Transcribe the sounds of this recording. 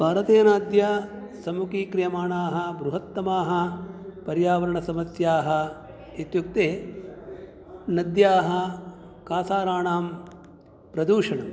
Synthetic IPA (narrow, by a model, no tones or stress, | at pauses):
bʱaːɾɐt̪eːnaːd̪jɐsɐmukiːkɾijɐmaːɳaːɦɐ̆bɾuɦɐt̪ːɐmaːɦɐ̆pɐɾjaːʋɐɾɐɳɐsɐmɐsjaːɦɐ̆ | it̪juk̚t̪eː | nɐd̪jaːɦɐ̆kaːsaːɾaːɳaːm | pɾɐd̪uːʂɐɳɐm